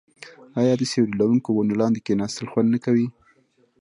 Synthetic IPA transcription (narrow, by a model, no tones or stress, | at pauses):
ɑjɑd̪əsewdulawuŋkowonolɑnd̪ekenɑst̪əlxwand̪nəkawi